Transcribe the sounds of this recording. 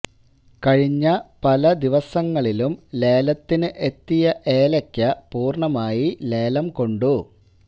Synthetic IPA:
kɐɻiɲːɐpɐlɐd̪iʋɐsɐŋːɐɭilumle̞ːlɐt̪ːinɨʔe̞t̪ːijɐʔeːlɐkʲːɐpuːrɳɐmaːjileːlɐmko̞ɳɖu

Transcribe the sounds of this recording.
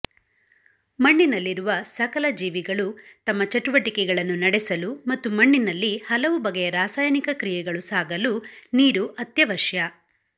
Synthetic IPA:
mɐɳːinɐlːiɾuʋɐsɐkɐlɐd͡ʒiːʋiɡɐɭut̪ɐmːɐt͡ʃɐʈuʋɐʈikɛɡɐɭɐnːunɐɽɛsɐlumɐt̪ːumɐɳːinɐlːihɐlɐʋubɐɡɛjɐɾaːsaːjɐnikɐkɾijɛɡɐɭusaːɡɐluniːɾuʔɐt̪jɐʋɐʃjɐ

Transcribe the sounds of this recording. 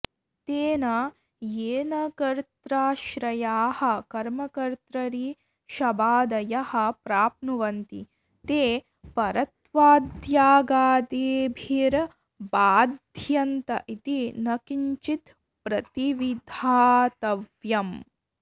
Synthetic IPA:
t̪eːnɐ | jeːnɐkɐɾt̪ɾaːʃɾɐjaːhɐ̆kɐɾmɐkɐɾt̪ɾɐɾiː | ʃɐbaːd̪ɐjɐhɐ̆pɾaːp̚nuʋɐnt̪i | t̪eː | pɐɾɐt̪ʋaːd̪ʱjaːɡaːd̪eːbʱiɾ | baːd̪ʱjɐnt̪ɐ̰ʔit̪inɐkiɲt͡ʃit̪ | pɾɐt̪iʋid̪ʱaːt̪ɐʋjɐm

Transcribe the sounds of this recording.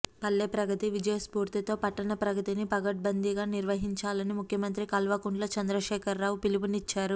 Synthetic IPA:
pɐlːeːpɾɐɡɐt̪iʋid͡ʒɐjɐspuːɾt̪it̪o̞ːpɐʈːɐnɐpɾɐɡɐt̪inipɐɡɐʈ̚bɐnd̪ʱiɡaːniɾʋɐɦiɲt͡ʃaːlɐnimukʰjɐmɐnt̪ɾikɐlʋɐkuɳɖlɐt͡ʃɐnd̪ɾɐʃɛːkʰɐɾːaːwupilubunit͡ʃːaːɾu

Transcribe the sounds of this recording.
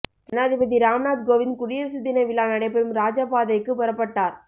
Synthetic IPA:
d͡ʒɛnaːðɪbɐðiɾaːmnaːd̪ɡoːʋɪnkʊɾɪjɐɾɐsɪd̪ːɪnɐʋɪlaːnɐɽɐɪpɛɾɯmɾaːd͡ʒaːpaːðɐɪkːɯpɐɾɐpːɐʈːaːɾ

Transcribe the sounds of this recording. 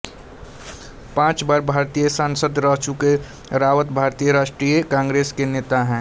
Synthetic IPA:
pãːt͡ʃbaːɾbʱaːɾt̪ijəsãnsəd̪ɾəɦt͡ʃuke | ɾaːʋət̪bʱaːɾt̪ijəɾaːʃʈɾijəkãːŋɡɾeːskeneːt̪aɦɛ̃ː

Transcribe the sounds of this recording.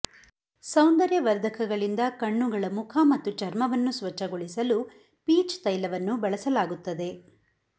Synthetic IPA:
sɐwnd̪ɐɾjɐʋɐɾd̪ʱɐkʰɐɡɐɭind̪ɐkɐɳːuɡɐɭɐmukʰɐmɐt̪ːut͡ʃɐɾmɐʋɐnːusʋɐt͡ʃːɐɡoɭisɐlu | piːt͡ʃt̪ɐjlɐʋɐnːubɐɭɐsɐlaːɡut̪ːɐd̪e̞

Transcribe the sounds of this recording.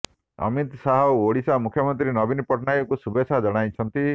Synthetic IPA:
ʌ̰mit̪saɦɔoɽisamukʰjɔmɔnt̪ɾinɔbinpɔʈnajɔkusubesʰad͡ʒɔɽ̃ajt͡ʃʰɔnt̪i

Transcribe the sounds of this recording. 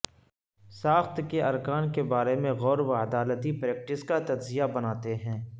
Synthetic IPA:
saːxt̪keɐɾkaːnkebaːɾemẽɣɔːɾwaəd̪aːlət̪ipɾɛːk̚ʈɪskat̪ɐd͡ʒzijabɐnaːt̪eɦɛ̃ː

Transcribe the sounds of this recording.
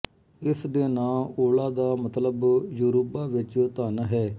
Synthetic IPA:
ɪsd̪eːnaːoːlaːd̪aːmət̪ləbjuːɾoːpaːʋɪt͡ʃt̪aːnɦɛː

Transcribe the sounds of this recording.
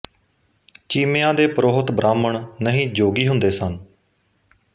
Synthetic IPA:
t͡ʃiːmeːãːd̪eːpəɾoːɦət̪bɾʔaːməɳnəɦĩːd͡ʒoːɡiːɦʊnd̪eːsən

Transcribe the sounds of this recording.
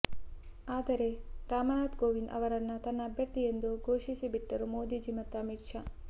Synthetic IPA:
aːd̪ɐɾe̞ɾaːmɐnaːt̪ɡoːʋind̪ʔɐ̰ʋɐɾɐnːɐt̪ɐnːɐːbʱjɐɾt̪ije̞nd̪uɡʱoːʂisibiʈːɐɾumoːd̪id͡ʒimɐt̪ːɐɐmiʈʂɐ

